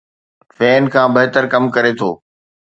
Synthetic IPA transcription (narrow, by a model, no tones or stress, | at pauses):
fɛːnkʰãːbɐɦɪt̪əɾkɐmkɐɾet̪ʰo̰ː